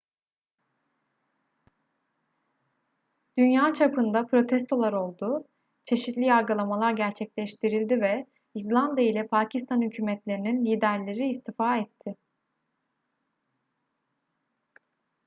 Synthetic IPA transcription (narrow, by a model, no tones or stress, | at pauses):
d̪̥ynjaːt͡ʃʰapʰɯnd̪apɾo̞t̪ʰɛst̪ʰo̞lˠaɾo̞lˠd̪ʊ | t͡ʃʰe̞ʃit̪lʲijaɾɡɯlˠamalˠaɾɟæɾt͡ʃʰɛclʲɛʃt̪ʰiɾilʲd̪ivɛ | izlˠand̪ijailʲɛpʰaːcʰist̪ʰanhycʰyːmɛt̪lʲe̞ɾininlʲiːd̪æɾlʲe̞ɾiːst̪ifaːɛt̪ʰːɪ